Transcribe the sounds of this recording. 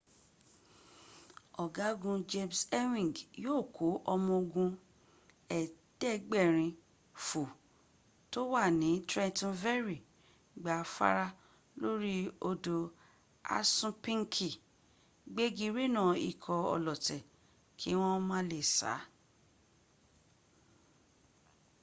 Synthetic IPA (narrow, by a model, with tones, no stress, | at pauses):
ɔ˨ɡa˨˦ɡũ˧d͡ʒe˧msɛ˦wĩ˨ɡjoː˦˨kʰo˨˦ʔɔ˧mɔ̃˧o˧ɡũ˧ | ɛ˨ | d̥ɛ˦˨ɡ͡bɛ˦˨ɾ̃ĩ˧ | fu˨ | to˦wa˦˨nĩ˨˦tɾɛ˦˧tũ˦vɛ˦ɾi˨ | ɡ͡ba˨˦fa̰˦ɾa˦ | lo˦ɾi˦o˧do˧ | a̰˦sũ˦pĩ˦ŋ˦kʰi˨ | ɡ͡be˦ɡi˧ɾe˦nã˦˨ḭ˨kʰɔ˧ɔ̰˧lɔ˨tɛ˨ | kʰi˨˦w̃ɔ̃˦mã˦le˨sa̰˨˦